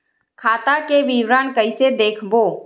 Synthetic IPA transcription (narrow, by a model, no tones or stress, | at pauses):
kʰaːt̪akeʋiːwɾaːnkəised̪eːkʰboː